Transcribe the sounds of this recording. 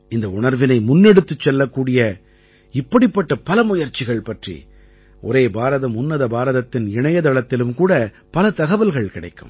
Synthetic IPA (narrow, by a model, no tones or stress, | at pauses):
ɪnd̪ɐʊɳɐɾʋɪnɐɪmʊnːɛɽɯt̪ːɯt͡ʃːɛlːɐkːuːɽɪjɐ | ɪpːɐɽɪpːɐʈːɐpɐlɐmʊjɐɾt͡ʃːɪɣɐɭpɐʈrḭ | ʔɔ̰ɾeːbaːɾɐðɐmʊnːɐðɐbaːɾɐðɐt̪ːɪnɪɳɐjɐðɐɭɐt̪ːɪlɯmkuːɽɐ | pɐlɐt̪ɐɣɐʋɐlɣɐɭkɪɽɐ̰ɪkːɯ̰m